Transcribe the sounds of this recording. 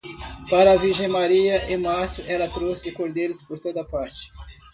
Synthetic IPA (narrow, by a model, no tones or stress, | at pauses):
paɾɐːviɾʒẽj̃maɾiɐʔẽmaɾsjʊʔɛlɐt̪ɾosɪɪkoɾd̪elɪspoɾt̪od̪ɐpaɾt͡ʃɪ̥